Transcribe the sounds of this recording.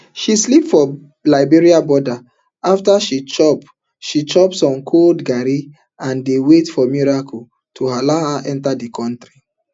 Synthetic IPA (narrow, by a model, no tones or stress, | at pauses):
ʃislipfɔ | laɪbiɹiabɔda | aftaʃit͡ʃɔp | ʃit͡ʃɔpsɔ̃nkʰoldɡaɾi | ãndewetfɔmiɹakʰo | tʰoɦalahaʔɛ̃ntadikʰɔ̃ntɾi